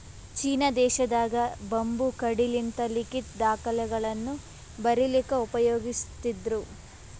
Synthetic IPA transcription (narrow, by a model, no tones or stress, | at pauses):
t͡ʃiːnɐd̪ɛːʃɐd̪aːɡɐbɐmbukɐɽilint̪ɐlikit̪d̪aːkɐlɛɡɐɭɐnːu | bɐɾilikɐupɐjoːɡist̪id̪ɾu